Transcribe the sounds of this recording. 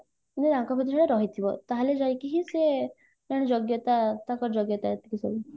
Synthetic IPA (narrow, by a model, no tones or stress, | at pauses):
nedãkɔpʰit̪isaɽeɾɔɦit̪ʰibɔ̰t̪aɦaled͡ʒajkiɦise | naɽ̃ed͡ʒɔɡjɔt̪at̪akɔɾd͡ʒɔɡjɔt̪at̪ikisɔ̰ɡi